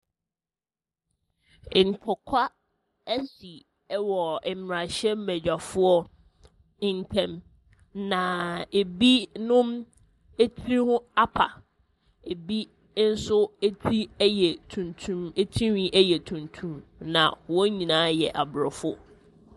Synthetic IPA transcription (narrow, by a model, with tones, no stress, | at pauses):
ŋ̩˨tʰɔ˨kʰa˦ | æ˦si˨˦ | wɔ˨ɛ˨mm˨a˨ɕɛ˦m˦mæ˨d͡ʑᶣa˨fʊ˦ɔ˦˨ | n˨tʰɛ̃˦m | nã˨e˨bi˦nʊ̃˦m | e˦tʰi˦hʊ̃˦a˦pʰa˨ | e˨bi˦ | n̩˦sʊ˦e˦tʰɾi˦jɛ˨tʰũ˨ntʰũ˦me˦tʰĩ˦wĩ˦ʔɛ˦jɛ˨tʰũ˨ntʰũ˦mnã̰˨wɔ˦ɲĩ˨nãː˦jɛ˨ʔa˨bɾɔ˨fʊ˦